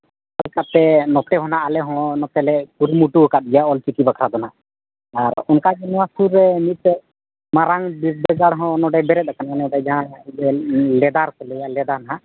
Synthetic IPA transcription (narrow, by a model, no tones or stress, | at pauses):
alkat̪ɛnɔt̪ɛɦɔnaʔːlɛɦɔ̃nɔt̪ɛlɛkuɾmuʈuɦɔkat̪̚ɛjaɔlt͡ʃikibakʰɾad̪ɔnaʔ | aɾɔnkad͡ʒɛnwasuɾːɛmit̪̚t̪ɛ | maɾaŋbiɾbɛɡaɽɦɔ̃nɔɖɛbɛɾɛt̪̚akananɛdɛd͡ʒaɦãdɛlɛd̪aɾkɔlɛjalɛd̪anaɦã